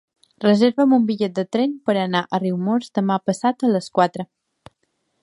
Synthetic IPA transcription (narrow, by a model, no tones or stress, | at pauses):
rəzeɾβəmumbiʎɛt̪̚d̪ət̪ɾɛnpəɾənaʔəriwmozd̪əmapəsat̪ələskwat̪ɾə